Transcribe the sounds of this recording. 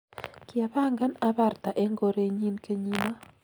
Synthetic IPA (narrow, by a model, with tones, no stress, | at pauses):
kɪa˨βa˦ŋɡa˦na˦βa˦˨rta˨ʔe˦ŋɡo˦ɾe˦ɲi˦nke˦ɲi˦na˦